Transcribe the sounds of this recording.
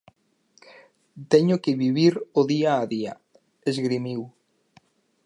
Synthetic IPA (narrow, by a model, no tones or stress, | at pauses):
t̪ɛɲʊkɪβiβiɾʊðiaːðia | ezɣɾimiw